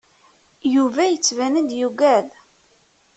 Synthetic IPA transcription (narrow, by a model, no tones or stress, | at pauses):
juvæjət͡sːvænənd̪juɡæð